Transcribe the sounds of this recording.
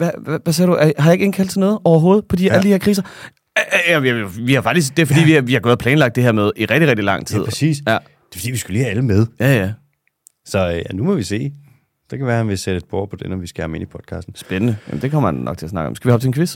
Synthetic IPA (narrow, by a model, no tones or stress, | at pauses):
ʋææʋæs̬ḛːɐɾ̥uʔæɐjhɑjɑ̈e̝ɡ̥e̝ŋ̩kʰæl̰dsʰenɔ̽ːð̞̩ˠɒʊɐɦo̝ːð̞̩ˠpʰɒ̽d̥iæləd̥iheɐ̰kʰʁḭːsɐ | jææjoʋihɑ̈fɑ̈ɡ̥d̥isd̥e̝fɒ̽d̥ḭʋiʋihɑ̈ɡɔ̽ːðˠpʰlɛːnlɑ̈ɡ̥̚d̥e̝heɐ̰með̞ˠiʁɛɡ̥̚d̥iʁɛɡ̥̚d̥ilɑ̈ŋ̰t͡sʰiðˠʰsḭːsjæ | d̥e̥fɒd̥ḭːʋisɡ̥ulḭːæləmeð̞ˠjæjæ | sɒ̽jænumɒʋise̝̰ː | d̥ekʰæʋæːɐhænʋe̝sed̥əed̥̚b̥o̰ɐ̰pʰɒd̥enɒmʋisɡ̥æɑme̝nipʰɒ̽d̥kʰɑ̰ːsd̥n̩sb̥enənəjæ̰m̩d̥e̝kʰɒ̽m̰ɐænːɒ̽ɡ̥t͡sʰe̝ɐsnɑ̈ɡ̥ɒ̽msɡ̥ɛʋihɒ̥t͡sʰenŋkʰʋe̝s